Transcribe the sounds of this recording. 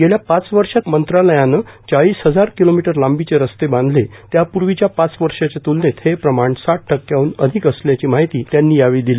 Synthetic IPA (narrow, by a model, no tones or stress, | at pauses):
ɡeljapat͡sʋəɾʂat̪mənt̪ɾaləjanət͡ɕaɭiːsɦəd͡zaɾkilomiʈəɾlambit͡seɾəst̪ebãnd̪ʱlet̪japuɾʋit͡ɕjapat͡sʋəɾʂat͡ɕet̪ulnet̪hepɾəmaɳsaʈ̚ʰʈʰəkːjauːnəd̪ʱikəsljat͡ɕiːmaɦit̪iːt̪janːiːjaʋiːd̪ili